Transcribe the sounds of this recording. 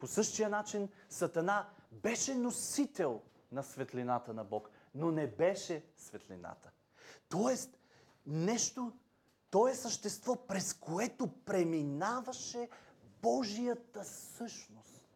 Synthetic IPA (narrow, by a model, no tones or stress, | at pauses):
posɤʃt̪ijənat͡ʃinsɐt̪ɐnabɛʃɛnosit̪ɛlˠ | nɐsvɛt̪linat̪ənɐbɔk | nonɛbɛʃɛsvɛt̪lḭna̰t̪ə̥ | t̪ɔɛst̪ | nɛʃt̪o | t̪ɔɛsəʃt̪ɛst̪vɔpɾɛskʰoɛt̪opɾɛminavɐʃɛbɔʒijət̪əsɤʃnost̪